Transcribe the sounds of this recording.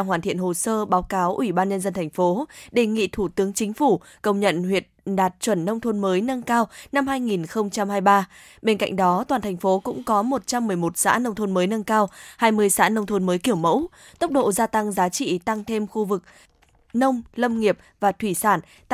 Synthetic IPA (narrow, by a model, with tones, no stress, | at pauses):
a˧˨ŋɦwaː˨˩nt̪ʰḭ˧˨ənho˨˩səː˧ɓaː˨˦wkaː˨˦wʔwi˧˩ɓaː˧nɲə˧nzə˧nt̪ʰa˨˩jŋ̟fo˨˦ɗe˨˩ŋḭ˧˨t̪ʰu˧˩t̪ɨ˨˦əŋt͡ɕï˨˦ŋ̟fu˧˩ | kə˧˩wŋ͡mɲə̰˧˨nhwi˨˩ət̚ɗaː˨˩t̚t͡ɕwə˧˩nːə˧wŋ͡mt̪ʰo˧nməː˨˦jnə˧nkaː˧wna˧mhaː˧jŋi˨˩nxə˧wŋ͡mt͡ɕa˧mhaː˧jɓaː˧ | ɓe˧nka̰˧jŋ̟ɗɔ˨˦t̪waː˨˩nt̪ʰɛ˨˩ŋ̟fo˨˦kʊ̰˧˥ŋ͡mkɔ˨˦mo˨˩t̚t͡ɕa˧mːɨ˨˩əjmo˨˩t̚sa̰ː˧˥nə˧wŋ͡mt̪ʰo˧nməː˨˦jnə˧nkaː˧whaː˧jmɨ˧əjsa̰ː˧˥nə˧wŋ͡mt̪ʰo˧nməː˨˦jki˧˩əwmə̰˧˥wt̪ə˦˥wk͡p̚ɗo̰˧˨zaː˧t̪a˧ŋzaː˨˦t͡ɕḭ˧˨t̪a˧ŋt̪ʰe˧mxu˧vɨ˨˩k̚ | nə˧wŋ͡mlə˧mŋi˨˩əp̚vaː˨˩t̪ʰwi˧˩saː˧˩n